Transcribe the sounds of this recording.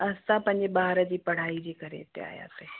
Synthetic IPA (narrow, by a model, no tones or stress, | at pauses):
ɐst̪apɐ̃ɲd͡ʒebaːɦɾad͡ʒipɐɽ̤aːid͡ʒikɐɾḛːt̪ḛa̰ːja̰t̪e